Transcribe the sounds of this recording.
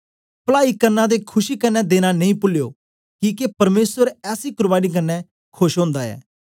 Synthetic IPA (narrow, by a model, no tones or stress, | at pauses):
plaːikɐɾnãd̪ekʰʊʃikɐnːɛd̪eːñanɐ̃ĩpʊljoː | kiːkepɐɾmeːsəɾɛːsikʊɾbaːnik̬ɐnːɛ | kʰʊʃɦõːnd̪aɛ̰ː